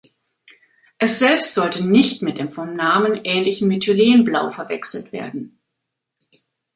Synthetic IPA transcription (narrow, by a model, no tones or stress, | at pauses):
ʔɛsz̥ɛlpstz̥ɔltənɪçtmɪt̚d̥eːmfɔmnaːmənʔɛːnlɪçn̩mɪtʰuleːənblaʊfɛɐvɛ̰ksl̩tv̥ḛːɐdn̩